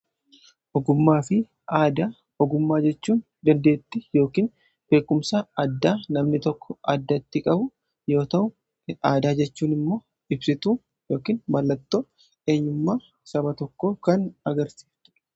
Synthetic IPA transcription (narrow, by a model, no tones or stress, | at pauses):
ʔɔɡʊmːaːfɪ | aːd̪aː | ɔɡʊmːaːd͡ʒɛt͡ʃːuːn | d̪ɐnd̪e̞ːt̪ːɪjo̞ːkiːn | b̥e̞ːkːʊmsaːɐd̪ːaːnɐmnɪt̪ɔkːɔɐd̪ːɐt̪ːɪkʼɐbʊ | jo̞ːt̪ɐʔʊ | aːd̪aːd͡ʒɛt͡ʃːuːnɪmːo̞ː | ɪbsɪt̪uː | jo̞ːkiːnbɐlːɐt̪ːoː | e̞ːɲːʊmːaː | sɐbɐt̪ɔkːo̞ːkɐnɐɡɐɾsi̥t̪ːʊ